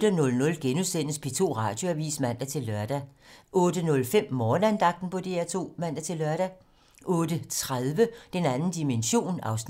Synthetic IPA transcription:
d̥ənɔ̽lnɔ̽lɡ̥enusen̰əsb̥ʰet͡sʰo̝̰ːʁɑ̰̈ːd̥jo̝æʋḭːsmæn̰d̥æt͡sʰe̝lːɶɐd̥æʔɔ̽ːd̥ənɔ̽lfem̰mɒːnænd̥ɑ̈ɡ̥̚d̥n̩pʰɒ̽d̥e̝æɐt͡sʰo̝̰ːmæn̰d̥æt͡sʰe̝lːɶɐɾ̥æ | ʔɔ̽ːd̥ət͡sʰʁaðˠʋəd̥enænn̩d̥imenɕo̝̰ːnɑ̈ʊs

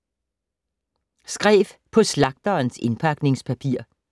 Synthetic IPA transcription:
sɡ̥ʁɛ̰ːfpʰɒ̽slɑ̈ɡ̥̚d̥ɐːnse̝npʰɑ̈ɡ̥ne̝ŋspʰæpʰiɐ̰

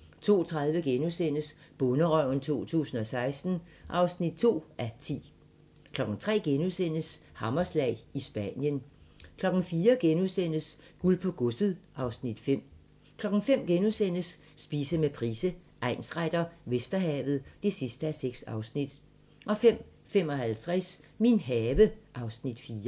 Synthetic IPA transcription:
t͡sʰo̝̰ːt͡sʰʁað̞ˠʋəɡ̥enusen̰əsb̥ɔnəʁœʊ̰n̩t͡sʰo̝̰ːt͡sʰṵːsn̩ɒ̽sɑ̈ɪsd̥n̩ | ʔɑ̈ʊsnid̥̚t͡sʰo̝̰ːʔæt͡sʰḭː | kʰlɒ̽ɡ̥n̩t͡sʰʁɛ̰ːɡ̥enusen̰əshɑ̈mɐslɛ̰ɪisb̥ænjənkʰlɒ̽ɡ̥n̩fiːɐɡ̥enusen̰əsɡ̥ulpʰɔ̽ɡ̥ɔsəð̩ˠʔɑ̈ʊsnid̥fem̰ | kʰlɒ̽ɡ̥n̩fem̰ɡ̥enusen̰əsː | b̥iːsəmepʰʁiːsəʔɑ̈ɪnsʁad̥ɐʋesd̥ɐɦɛ̰ːʋð̞̩ˠd̥e̝sisd̥əæseɡ̥sɑ̈ʊsnid̥ | ʔɒ̽fem̰ | fem̰ɒ̽hælt͡sʰʁɛsminɦɛːʋəʔɑ̈ʊsnid̥fiːɐ

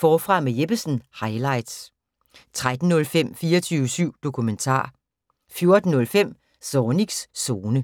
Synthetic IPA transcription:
fɒːfʁɑ̈mejeb̥əsn̩hɑ̈ɪlɑ̈ɪd̥s | t͡sʰʁad̥n̩ːɔ̽lfem̰fiːɐt͡sʰyːʊəsyʊ̰d̥o̝kʰument͡sʰɑ̰̈ː | fjo̝ɐd̥n̩ːɔ̽lfem̰ | sɒːniɡ̥sːo̝ːnə

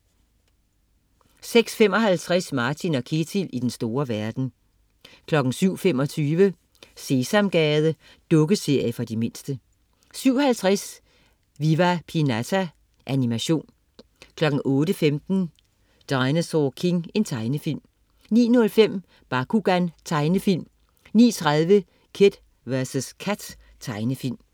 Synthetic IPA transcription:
seɡ̥sfem̰ɒ̽ɦælt͡sʰʁasmɑ̈ːt͡sʰinɒ̽kʰe̝t͡sʰilid̥ensd̥o̝ːɐʋæɐd̥n̩ | kʰlɒ̽ɡ̥n̩syʊ̰fem̰ɒ̽t͡sʰyːʋə | se̝sɑmɡ̥ɛːð̞ˠə | d̥ɔ̽ɡ̥əse̝ɐ̰jəfɒ̽d̥ime̝n̰sd̥ə | syʊ̰hælt͡sʰʁas | ʋiʋæpʰinæt͡sʰæ | ʔænimæɕo̝̰ːn | kʰlɒ̽ɡ̥n̩ʔɔ̽ːɾəfemd̥n̩ | d̥ɑ̈ɪnəsɒkʰe̝ŋe̝nt͡sʰɑ̈ɪnəfil̰m | nḭːnɔ̽lfem̰ | b̥ɑ̈kʰuɡ̥ænt͡sʰɑ̈ɪnəfil̰m | nḭːt͡sʰʁað̞ˠʋə | kʰed̥ | ʋæɐsəskʰæd̥ | t͡sʰɑ̈ɪnəfil̰m

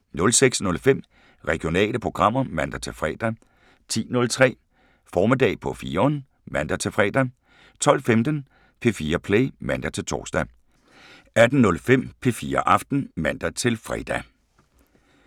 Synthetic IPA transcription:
nɔ̽lseɡ̥snɔ̽lfem̰ | ʁɛɡ̥io̝nɛ̰ːləpʰʁo̝ɡ̥ʁɑ̈m̰ɐmæn̰d̥æt͡sʰe̝lfʁɛ̰ːd̥æ | t͡sʰḭːnɔ̽lt͡sʰʁɛ̰ː | fɒːme̝d̥ɛ̰ːpʰɒ̽fiːɐɒn | mænd̥æt͡sʰe̝lfʁɛ̰ːd̥æ | t͡sʰɒ̽l̰femd̥ən | pʰe̝fiːɐpʰleɪmæn̰d̥æt͡sʰe̝lt͡sʰɒ̰ːsd̥æ | æd̥n̩ːɔ̽lfem̰pʰe̝fiːɐʔɑ̈fd̥n̩mænd̥æt͡sʰe̝lfʁɛ̰ːd̥æ

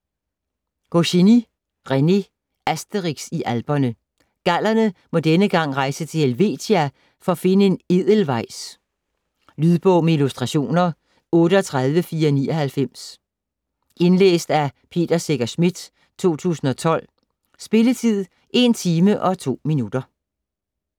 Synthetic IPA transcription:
ɡ̥oɕini | ʁene | æsd̥əʁiɡ̥siʔælb̥ɐnə | ɡ̥æl̰ɐnəmɒ̽d̥enəɡ̥ɑ̈ŋ̰ʁɑ̈ɪsət͡sʰe̝elʋe̝̰ːt͡sʰeæ | fɒ̽ɒ̽fe̝nəe̝neð̰ˠəl̩ʋɑ̈ɪ̰s | lyðˠb̥ɔʊ̰meilusd̥ʁɑ̈ɕo̝̰ːnɐ | ɔ̽ːɾəɒt͡sʰʁɑ̈ð̞ˠʋəfiːɐnḭːɒhælfem̰s | ʔe̝nlḛːsd̥æpʰe̝̰ːd̥ɐseɡ̥ɐsmid̥ | t͡sʰo̝̰ːt͡sʰṵːsn̩ɒ̽t͡sʰɒ̽l̰ | sb̥e̝lət͡sʰið̰ˠ | ʔe̝nt͡sʰiːməʔɒ̽t͡sʰo̝̰ːminud̥ɐ

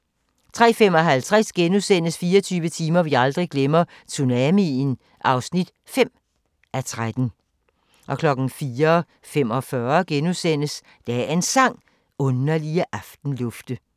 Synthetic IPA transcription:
t͡sʰʁɛ̰ːfem̰ɒ̽ɦælt͡sʰʁasɡ̥enusen̰əsfiːɐt͡sʰyːʋət͡sʰiːmɐʋiɑ̈ld̥ʁiɡ̥lemɐ | t͡sʰunæmin | ʔɑ̈ʊsnid̥ | fem̰ | ʔæt͡sʰʁad̥n̩ | ʔɒ̽kʰlɒ̽ɡ̥n̩fiːɐ | femɒ̽fɶɐɡ̥enusen̰əs | d̥ææe̝nsɑ̈ŋ̰ | ɔ̽nɐliəʔɑfd̥n̩lɔ̽fd̥ə

